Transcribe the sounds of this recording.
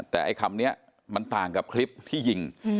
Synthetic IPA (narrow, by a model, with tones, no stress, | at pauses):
t̪ɛː˨˩ʔa̰˧jkʰa˧mni˦˥ɐ | ma˧nt̪aː˨˩ŋka˨˩p̚kʰli˦˥p̚t̪ʰiː˥˩ji˨˩ŋ